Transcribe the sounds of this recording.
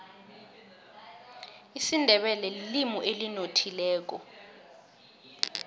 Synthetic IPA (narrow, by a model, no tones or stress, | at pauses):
isindʱɛɓɛlɛlilimuʔelinotʰilɛːk̬ɔ